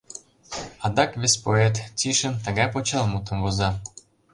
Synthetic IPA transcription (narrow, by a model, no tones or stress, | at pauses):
ɑd̪ɑkβʲespoet̪t͡siʃənt̪ə̆ɣɑjpot͡ɕɑlˠmut̪ə̆mɡozɑ